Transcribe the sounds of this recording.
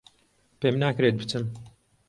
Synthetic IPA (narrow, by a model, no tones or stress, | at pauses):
pemnaːkɾet̪̚bɨt͡sʰɨm